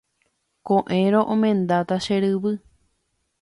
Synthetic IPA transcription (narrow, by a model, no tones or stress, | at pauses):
kõʔẽɾõʔõmẽ̞nd̪at̪aʃeɾɨβɨ